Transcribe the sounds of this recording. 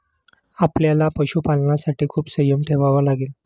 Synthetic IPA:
apljalapəɕupalnasaʈiːkʰuːpsəjəmʈ̪ʰeʋaʋalaɡeːl

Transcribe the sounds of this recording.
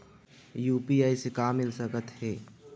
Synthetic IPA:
juːpiaːisekaːmːɪlsəkət̪ɦɛː

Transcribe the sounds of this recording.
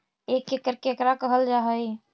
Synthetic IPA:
ekːekəɾkekɾakəɦəld͡ʒaɦəj

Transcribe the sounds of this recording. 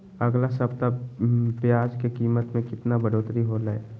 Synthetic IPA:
ɐɡlasəbt̪apjaːd͡ʒkekiːmət̪mẽkɪt̪nabəɽoːt̪ɾiɦolaeː

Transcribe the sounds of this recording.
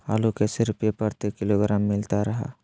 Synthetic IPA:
a̰ːlukesɪɾʊpjepəɾt̪ekɪloɡɾaːmːɪlt̪aɾɐɦa̰ː

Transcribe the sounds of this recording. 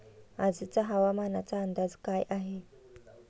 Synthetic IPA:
ad͡zit͡saɦawamanat͡saːnd̪azkajʔaɦe

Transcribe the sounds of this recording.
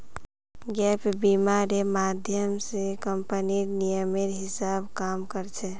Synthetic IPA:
ɡɛpʰbimaɾemad̪ʱjəmsekəmpəniɾnijəmeɾɦɪsabkamkəɾt͡ʃʰɛ

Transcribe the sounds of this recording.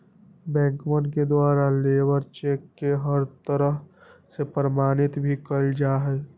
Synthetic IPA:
bɛ̃ːŋkmənked̪waːɾaleːwəɾt͡ʃeːkːeɦəɾt̪əɾəɦsepɾəmaːnɪt̪bʱikəld͡ʒaːɦɛ

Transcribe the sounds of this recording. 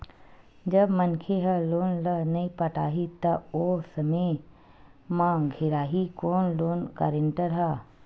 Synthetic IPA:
d͡ʒɐbmɐnkʰeɦɐloːnlənɐĩpɐʈaːɦit̪ɐoːsɐme | mãɡʱɪɾaːɦikoːnloːnka̰ːɾɪɳʈəɾɦa

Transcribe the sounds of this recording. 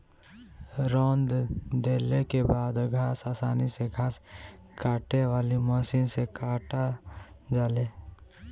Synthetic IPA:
ɾɔnd̪d̪elekebaːd̪ɡʱasaːsaːniseɡʱaːs | kaːʈeʋaːlimɔsinsekaʈa | d͡ʒaːle

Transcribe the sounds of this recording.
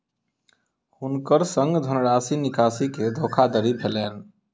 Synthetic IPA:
hunkəɾsəŋɡd̪ʱənɽaːsinikasiked̪ʱokʰad̪əɾibʱelɛːn

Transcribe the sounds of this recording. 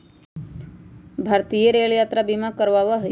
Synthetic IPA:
bʱaɾt̪ijəɾeɭjat̪ɾabimakəɾʋaʋəɦ

